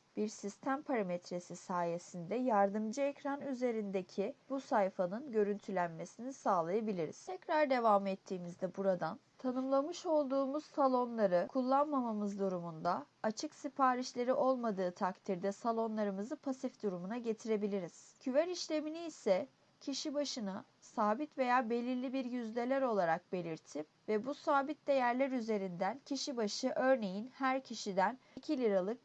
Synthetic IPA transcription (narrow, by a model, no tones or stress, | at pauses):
b̥iɾsist̪ʰæmpʰaɾamet̪ɾe̞sisaːje̞sind̪ɛjaɾd̪ɯmd͡ʒɯɛcɾanyze̞ɾind̪e̞cʰibusajfanɯnɟø̞ɾynt̪ʰylʲænme̞sinisaːlˠajabilʲiɾḭz̥t̪ʰɛcɾaɾd̪e̞vamɛt̪ʰːiːmizd̪ɛbuɾad̪ant̪ʰanɯmlˠamɯʃo̞lˠd̪uːmuz̥salˠo̞nlˠaɾɯkʰulˠːanmamamɯzd̪uɾumund̪a | at͡ʃʰɯksipʰaːɾiʃlʲe̞ɾiʔo̞lˠmad̪ɯːt̪ʰakt̪ʰiɾd̪ɛsalˠo̞nlˠaɾɯmɯzɯpʰasifd̪uɾumunaɟe̞t̪ʰiɾe̞bilʲiɾiz̥cʰyvæɾiʃlʲe̞miniːsɛ | cʰiʃibaʃɯna | saːbit̪ve̞jaːbe̞lʲiɾlʲibiɾjyzlʲe̞lʲæɾo̞lˠaɾak̚be̞lʲiɾt̪ʰip | vɛbusaːbit̪̚d̪e̞jæɾlʲæɾyze̞ɾind̪æncʰiʃibaʃɯʔø̞ɾne̞jinhæɾcʰiʃid̪æncʰilʲiɾalˠɯk̚